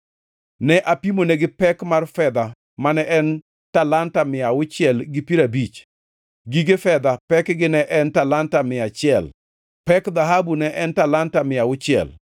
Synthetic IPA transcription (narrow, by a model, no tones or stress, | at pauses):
nɛʔapimonɛɡɪpɛkmarfɛd̪a | manɛʔɛn | talantamɪjaʊt͡ʃɪɛlɡɪpiɾabit͡ʃ | ɡiɡefɛd̪apɛkɡɪnɛʔɛntalantamɪat͡ʃɪɛl | pɛkd̪aɦabunɛʔɛntalantamɪjaʊt͡ʃɪɛ̰l